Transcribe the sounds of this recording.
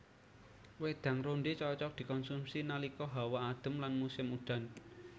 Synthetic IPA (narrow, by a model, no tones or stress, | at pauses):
wed̪̥ä̤ŋɾonɖet͡ʃɔt͡ʃɔk̚d̪̥i̤kɔnsumsinalikɔɦawaːd̪̥ə̤mlanmusɪmuɖ̪̥a̤n